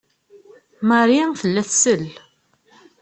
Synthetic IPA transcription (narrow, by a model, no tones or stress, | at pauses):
məɾiθəlːæθsəl